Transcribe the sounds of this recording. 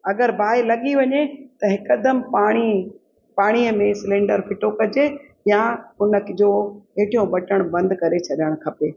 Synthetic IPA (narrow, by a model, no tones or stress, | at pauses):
ɐɡəɾbʱaːelɐɠiʋɐɲet̪ɐɦɪkəd̪əmpaːɽ̃i | paːɽ̃iːəmẽsɪlẽːɳɖəɾpʰɪʈokɐd͡ʑe | jãʊnəkd͡ʑoːɦeːʈijõbɐʈəɽ̃bɐ̃nd̪kɐɾet͡ɕʰɐɗəɽ̃kʰɐpeː